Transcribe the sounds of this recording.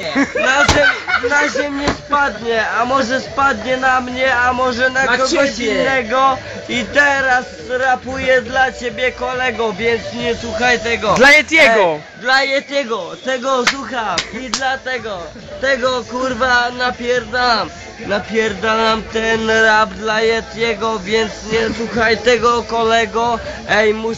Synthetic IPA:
naɛmnaʑɛmʲɲɛspad̪ɲɛamɔʐɛspad̪ɲɛnamɲɛamɔʐɛnakɔɡɔɕinːɛɡɔ | it̪ɛɾas | ɾapujɛd̪lat͡ɕebʲjɛkɔlɛɡɔvʲjɛnt̪sɲɛswuxajt̪ɛɡɔd̪lajɛt̪jʲɛɡɔ | d̪lajɛt̪ɛɡɔt̪ɛɡɔswuxamid̪lat̪ɛɡɔ | t̪ɛɡɔkuɾvanapʲjɛɾd̪aam | napʲjɛɾd̪anamt̪ɛnɾabd̪lajɛt̪ɲɛɡɔvʲjɛnt̪sɲɛswuxajt̪ɛɡɔkɔlɛɡɔ | ɛjmu

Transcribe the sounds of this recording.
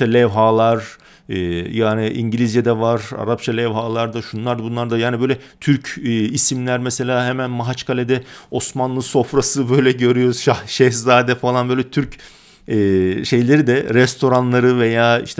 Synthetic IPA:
alʲɛvɦaːlˠaɾ̥ | ɛːjaːniʔiɲɟilʲizjed̪ɛvaɾa̰ɾap̚t͡ʃʰalʲɛvɦaːlˠaɾd̪aʃunlˠaɾd̪abunlˠaɾd̪ajaːnibø̞jlʲɛt̪ʰyɾcʰːisimlʲæɾmese̞lʲaːɦemænmaɦat͡ʃkʰalʲed̪ɛo̞smanlˠɯso̞fɾasɯbø̞jlʲɛɟø̞ɾyjo̞ɾuz̥ʃaʃɛhzaːd̪ɛfalˠanbøːjlʲɛt̪ʰyɾc | ɛːʃe̞jlʲeɾid̪ɛɾɛst̪ʰo̞ɾanlˠaɾɯve̞jaːḭʃt̪ʰ

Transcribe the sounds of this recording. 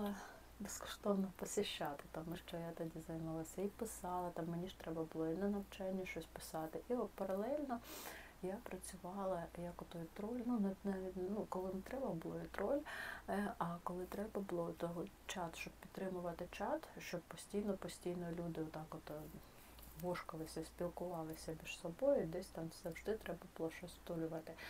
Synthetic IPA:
lˠɐ | bɪskɔ̥ʃt̪ɔʋnɔpɔsʲɪʃːɑt̪ɪ̥t̪ɑmɪʃt͡ʃɔjat̪ɐdʲizɐjmɑlˠɐsʲɐipɪsɑlˠɐt̪ɑmːenʲiʃt̪ɾɛbɐbʊlˠɔinɛnɐwt͡ʃɛnʲːɐʃt͡ʃɔsʲpɪ̥sɑt̪ɪʔiɔt̪pɐɾɐlˠɛlʲnɔ | japɾɐt͡sʲʊʋɑlˠɐjɐkɔt̪ɔjʊt̪ɾɔlʲnunɛnɛnukɔlˠɪnt̪ɾɛbɐbʊlˠɔjit̪ɾɔlʲ | ɐkɔlˠɪt̪ɾɛbɐbʊlˠɔt̪ɔɦɔ | t͡ʃɑt̪ʃt͡ʃɔb̚pʲit̪t̪ːɾɪmʊʋɐt̪ɪt͡ʃɑt̪ʃt͡ʃɔb̚pɔsʲtʲijnɔpɔsʲtʲijnɔlʲud̪ɪɔt̪ɑkɔt̪ | ʋɔʃkɐlˠɪsʲɐsʲpʲilˠkʊʋɑlˠɪsʲɐmʲiʃsɔbɔjʊid̪ɛsʲt̪ɑmsɐwʒd̪ɪt̪ɾɛbɐbʊlˠɔʃt͡ʃɔsʲt̪ɔlʲʊʋɐt̪ɪ

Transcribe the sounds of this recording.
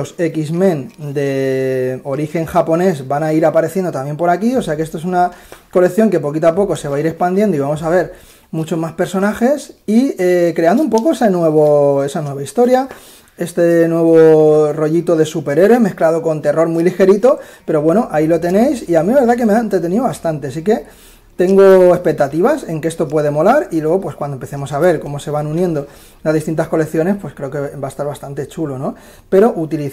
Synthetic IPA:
ose̞kizmẽ̞nd̪e̞ | o̞ɾixe̞ŋxapo̞ne̞zbanaiɾapaɾeθje̞nd̪o̞t̪ambje̞mpo̞ɾakio̞se̞akee̞st̪oe̞sunako̞le̞kθjo̞ŋke̞po̞kit̪apo̞ko̞se̞βaiɾe̞spand̪je̞nd̪oiβamo̞saβ̞e̞ɾ | mut͡ʃo̞zmaspe̞ɾso̞naxe̞siekɾe̞and̪oumpo̞ko̞esenweβoe̞sanwe̞βaist̪o̞ɾja | e̞st̪enwe̞β̞oro̞ʝit̪o̞ðe̞supe̞ɾe̞ɾwemeθklaðo̞ko̞nt̪e̞ro̞ɾmwilixe̞ɾit̪o̞pe̞ɾo̞βwe̞noʔailo̞t̪e̞ne̞jsiamieβe̞ɾðak̬e̞meaent̪ɾe̞t̪e̞niðoβast̪ant̪e̞asike̞ | t̪e̞ŋɡo̞e̞spe̞k̚t̪at̪iβase̞ŋkeest̪o̞pwe̞ð̞e̞mo̞laɾilwe̞ɣ̞o̞pwe̞skwand̪ompe̞θe̞mo̞saβ̞e̞ɾko̞mo̞se̞β̞anunje̞nd̪o̞ | lazðist̪int̪asko̞le̞kθjo̞ne̞spwe̞skɾe̞oke̞baest̪aɾβast̪ant̪e̞t͡ʃulo̞no̞ | pe̞ɾo̞ʔut̪ili

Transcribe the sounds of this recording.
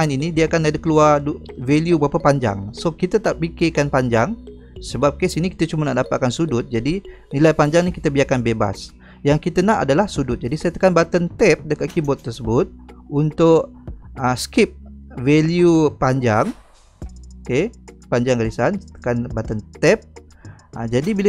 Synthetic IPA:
aninidiəakanːadəkəluarduveljubəapapaɲd͡ʒa̰ŋsokit̪at̪aʔpikekanpaɲd͡ʒaŋ | səbap̚kesiniki̥t̪at͡ʃumanaʔdapat̪̚kansudʊt̪̚d͡ʒadi | nilajpaɲd͡ʒaŋnĩkit̪abiakanbeba̰s | jaŋkit̪anaʔa̰dalahsudʊt̪̚d͡ʒadisajt̪ə̥kanbat̪ənt̪ɛp̚dəkat̪̚kibɔt̪ːərsəbʊt̪̚unt̪ʊʔ | əskip̚veljupaɲd͡ʒaŋ | okepaɲd͡ʒaŋkadisant̪ə̥kanbat̪ənt̪ɛp̚ | əd͡ʒadibilə

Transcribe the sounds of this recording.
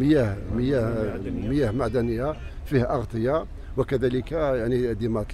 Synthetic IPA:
məjæhməjæhməjæhmaʕd̪ænəjːæ | fihʔɑɣt̪ˤəjɑ | wəkæd̪æləkæjaʕnid̪imæt̪ˤ

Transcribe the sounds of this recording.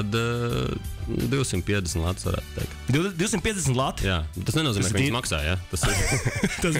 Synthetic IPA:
ad̪ | d̪iwsimt̪piɛd̪ɛsn̩t̪lˠa̰t̪sʋa̰ɾæ̰ːt̪̚t̪ɛ̰ɪkt̪d̪id̪iwsimt̪piɛzd̪ɛsn̩t̪lˠat̪jaːbet̪ːasnɛnuɔziːɛkĩsmaksa̰ːjat̪asiɾt̪as

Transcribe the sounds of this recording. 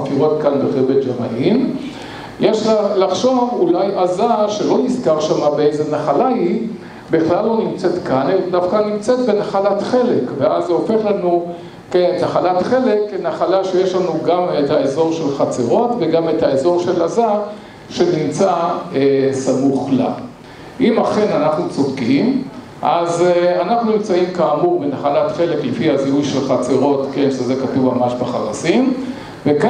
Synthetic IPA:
afiʁo̞t̪kanbeʁebetd͡ʒama̰ʔim | je̞ʃalaχʃo̞vulajazaʃe̞lo̞nizkaʁʃamabeejzenaχalahi | beχlalːonimt͡se̞t̪kaneldafkanimt͡set̪̚benaχalatχe̞lekveazeo̞fe̞χlanu | kenetaχalatχe̞le̞kːenaχalaʃejeʃlanuɡamethaezo̞ʁʃe̞lχat͡seʁo̞tve̞ɡamethaezo̞ʁʃe̞laza | ʃe̞nimt͡saesamuχla̰ | ʔimaχe̞nanaχnut͡sodkim | ʔazanaχnunimt͡saimkaːmuʁbenaχalatχe̞leklefihazeujʃe̞lχat͡seʁo̞tkenʃezekatuvmamaʃbaχaʁasim | veka

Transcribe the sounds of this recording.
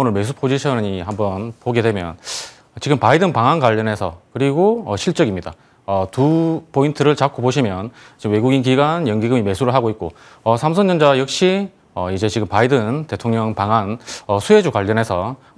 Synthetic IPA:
onɯɭme̞sʰupʰod͡ʑiɕʰʌnɯɲiɦambʌnpoɡe̞dwe̞mjʌ̰n | ʌt͡ɕiɡɯmpaidɯnpaŋankwaʎːʌnɦe̞sʰʌ̰kɯɾiɡoʌɕʰiɭt͡ɕ͈ʌɡimɲida̰ | ʌtupʰointʰɯɾɯɭt͡ɕakʰoboɕʰimjʌn | t͡ɕimwe̞ɡuɡinkiɡwanjʌŋɡiɡɯmime̞sʰuɾɯɭɦaɡoit̚k͈o | ʌsʰamsʰʌnɲːʌnd͡ʑajʌk̚ɕ͈i | ʌid͡ʑe̞t͡ɕiɡɯmpaidɯnte̞tʰoŋɲʌŋpaŋanʌsʰue̞d͡ʑukwaʎːʌnɦe̞sʰʌ

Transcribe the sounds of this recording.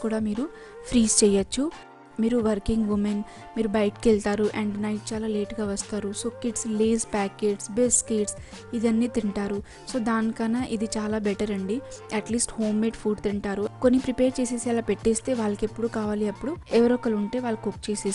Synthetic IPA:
kuːɽaːmiːɾu | pʰɾiːst͡ʃɛjɐt͡ʃːu | miːɾuʋɐɾkiŋɡʋumen | miːɾubɐjʈkelt̪aːɾuʔɐɳɖnɐjʈ̚t͡ʃaːlaːle̞ːʈɡaːʋɐst̪aːɾuso̞ːkiɖsleːspaːke̞ːʈsbesʈkeːʈs | id̪ɐnːiːt̪iɳʈaːɾu | so̞ːd̪aːnikɐnːaʔid̪it͡ʃaːlaːbɛʈɐɾɐɳɖiɐʈliːsʈho̞ːmːeʈpʰuːɖt̪iɳʈaːɾuko̞nːipɾipeːɾt͡ʃeːseːsɛːlaːpe̞ʈːeːst̪e̞ːʋaːlːɐkepːuɽuːkaːʋaːliɐpːuɽuɛʋɐɾoːkɐluɳʈe̞ːʋaːlːɐkokt͡ʃeːseː

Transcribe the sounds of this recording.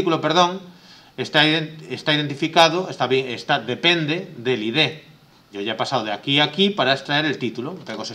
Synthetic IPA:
ikulopeɾðõŋ | est̪aest̪aiðent̪ifikaðoest̪aβjeŋest̪aðepend̪ed̪eliðe | ɟ͡ʝoʝaepasaðwðakiakipaɾaest̪ɾaeɾelt̪it̪ulot̪ekosa

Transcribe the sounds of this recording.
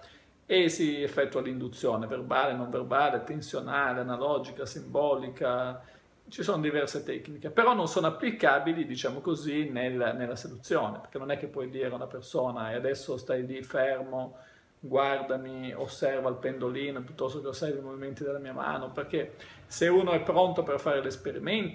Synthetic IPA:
esiefːɛt̪ːualind̪ut̪sːjoːneverbaːlenoɱverbaːlet̪ensjonaːleanalɔd͡ʒikasimbɔːlika | t͡ʃisoːnod̪ivɛrset̪ɛknikepeɾɔnːonsoːnoapːlikaːbilid̪it͡ʃaːmokozinelnelːased̪ut̪sːjoːnepe̥rk̟enːonɛkːepːwɔjd̪iːɾeunapersoːnaead̪ɛsːost̪ajlifɛrmo | ɡward̪amio̰sːɛrvalpend̪oliːnopjut̪ːɔst̪okeosajd̪ejmoviment̪id̪elamiːama̰ːnoperk̟e | seuːnoɛpːɾont̪operfaːɾelespeɾiment̪

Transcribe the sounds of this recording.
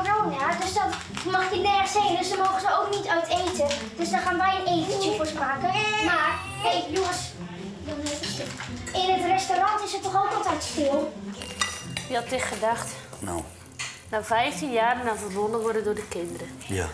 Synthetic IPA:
oadøsdɔt | maxtinɛrxəsendøsdəmoːɣəsəoːknitœɥtʰeːtəd̥øsdɔxaːnʋɛjəneːvəufosmaːkəmar | ejuəs | ɪnətrɛstorɑntɪsətːɔxoːkɔlˠtɛjtstɪəlˠ | əɔtɪxχədaxt | nafɛjftinjaːrənafərbondəʋɔrdəndʊrdəkɪndəɾə

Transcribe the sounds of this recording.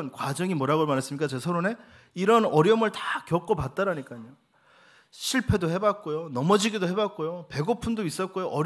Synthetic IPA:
nkwad͡ʑʌŋimoʌɾaɡoɭmanes͈ɯmɲik͈at͡ɕe̞sʰʌɾone̞ | iɾʌnʌɾjʌmɯɭtakjʌk͈opat̚t͈aɾaɲik͈aɲo | ɕʰiɭpʰe̞dohe̞bat̚k͈ojonʌmʌd͡ʑiɡidoɦe̞bat̚k͈ojope̞ɡopʰundois͈ʌt̚k͈ojoʔʌɾ

